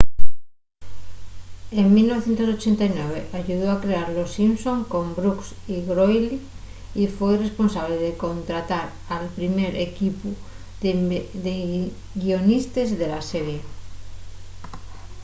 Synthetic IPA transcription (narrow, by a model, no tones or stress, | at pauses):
eŋmilnoe̞θjent̪os̬o̞t͡ʃent̪ajnweβ̞eʔaʝuðoakɾeaɾlosimsõ̞ŋko̞mbɾuksiɣɾojli | ifwe̞jre̞spo̞nsaβ̞leðeko̞nt̪ɾat̪aɾ | alpɾimeɾekipu | ðe | ɣio̞nist̪ezðelaseɾe